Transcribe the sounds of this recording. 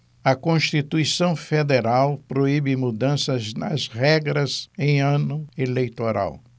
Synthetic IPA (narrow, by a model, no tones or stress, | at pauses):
ɐkõʃt̪it̪uisɐ̃w̃fed̪eɾawpɾoibɪmud̪ɐ̃sɐznɐ̰zʁɛɡɾɐzẽj̃ɐ̃nʊelejt̪oɾa̰w